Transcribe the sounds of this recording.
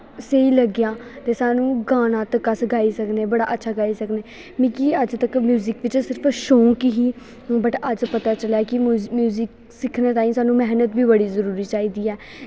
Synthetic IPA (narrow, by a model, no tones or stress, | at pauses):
seiːləɡɪjãːt̪eːsaːnũːɡaːnãːt̪əkːəsɡaːiːsəkneːbəɽa̰ːʔətːʃʰaːɡaːiːsəkneː | mĩkiəd͡ʒt̪əkmjuːzɪkʋɪt͡ʃsɪɾpʰʃõːkɪɦiː | bəʈəd͡ʒpət̪aːt͡ʃəlaːkɪmjuːzɪk | sɪkʰːnãːt̪aːĩːsaːnũːmɛɦnət̪biːbəɽiːzəɾuːɾiːt͡ʃaːiːd̪iːɛː